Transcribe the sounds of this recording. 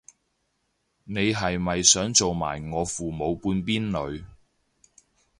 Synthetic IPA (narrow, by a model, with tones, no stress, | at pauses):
ne˨˧jɦɐ˨jmɐ˨jsœː˨˥ŋt͡so˨wma̰ː˨˩jŋɔː˨˧fuː˨˩mo˨˧wpuː˧npiː˥nlɵ˨˧ɥ